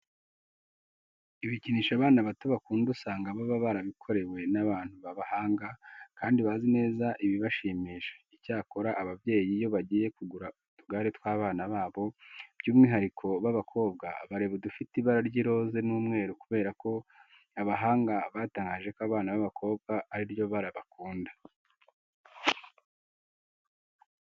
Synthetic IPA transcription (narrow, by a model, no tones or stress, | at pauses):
iβiciniːʃaβaːnaβatoβakuːndusaːŋɡaβaβaβaɾaβikʰo̞ɾe̞we̞naβaːn̥huβaβahaːŋɡakaːndiβazine̞ːzaʔiβiβaʃiːmiːʃe̥icaːko̞ɾaʔːβavje̞ːjijo̞βaɟiːje̞kuɡuɾautuɡaːɾitwaːβaːnaβaːβo̞b̥juːmŋiɦaɾikʰo̞βaβakʰo̞ːb̚ɡa̰βaɾe̞βedufitiβaɾaɾɟiɾo̞ze̞nuːmŋe̞ːɾukuβe̞ːɾako̞ | aβaɦaːŋɡaβaːtaːŋɡaːʒe̞koaβaːnaβaβakʰo̞ːbɡaːɾiɾjo̞βaɾaβakuːndḁ